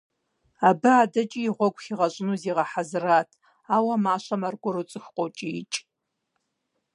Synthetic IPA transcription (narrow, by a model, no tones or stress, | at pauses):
abɨaːdɐt͡ʃʼiːʁʷɔɡʷʼxiʁɐɕʷʼɪnuziːʁɐħazɨraːtʰ | aːwɐmaːʃɐmarɡʷʊɾɨt͡sʼɨxqʷʼɔt͡ʃʼiɪ̰t͡ʃʼ